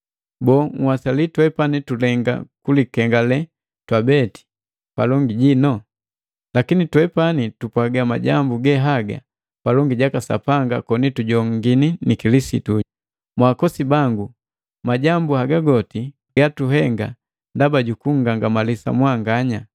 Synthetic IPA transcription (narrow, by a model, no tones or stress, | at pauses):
bɔːŋ̩wasalitwɛpanitulɛŋɡa̰kulikɛŋɡalɛ | twabɛti̥ | palɔŋɡiɟinɔ | lakinitwɛpanitupwaɡama̰ɟambuɡɛɦaɡa̰ | palɔŋɡiɟakasa̰paŋɡa̰kɔnituɟɔŋɡininikilisḭtu | mwakɔsibaŋɡu | maɟambuhaɡaɡɔti | ɡatuɦɛŋɡa̰ | ndabaɟukuŋ̩ɡaŋɡamalisa̰mwaŋɡaɲa